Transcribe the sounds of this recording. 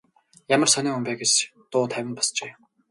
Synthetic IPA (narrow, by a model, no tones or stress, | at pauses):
jamə̆rsaniːʊmpæːɡet͡ɕt̪ʊːt̪ʰæwʲɪ̆npɔ̥st͡ɕeː